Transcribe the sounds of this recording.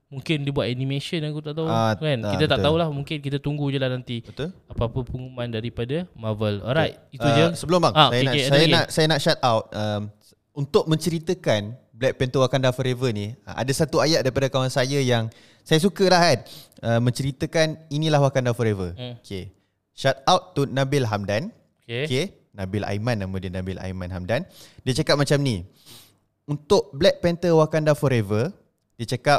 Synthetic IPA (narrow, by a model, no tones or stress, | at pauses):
muŋkɪndibuat̪anĩmẽʃənakut̪aʔt̪auakankit̪at̪aʔ̪aulahmũŋkɪnkit̪at̪uŋɡud͡ʒəlanant̪iət̪ulapapəpəŋumãndaɾipadamavəlo̰ɾajt̪it̪ud͡ʒəsəbəlʊmbaŋasajanaeajanaʔsajanaʔʃat̪awt̪̚əm | unt̪ʊk̚mə̃ɲt͡ʃəɾit̪əkanblɛk̚pɛnt̪oakandafɔɾevəniə̰ʔa̰dasat̪uajaʔ̚daɾipadakawansajajaŋ | sajas̬ukəlaɦan̚ʔəmə̃ɲt͡ʃəɾit̪əkaninĩlahwakandafɔɾevəokʰe | ʃat̪̚awt̪ːunãbɪlɦamdan | kke | nãbɪla̰jmãnːamũdiənãbɪla̰jmãnɦamdandiət͡ʃakap̚mat͡ʃamni | unt̪ʊʔ̚blɛk̚pɛnt̪əwakandafɔɾevə | diət͡ʃakap̚